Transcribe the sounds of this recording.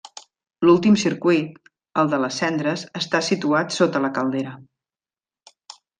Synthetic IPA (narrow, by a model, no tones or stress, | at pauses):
lulˠt̪imsiɾkwit̪ | əlˠd̪ələsɛnd̪ɾəzəst̪asit̪uat̪sot̪ələkəlˠd̪eɾə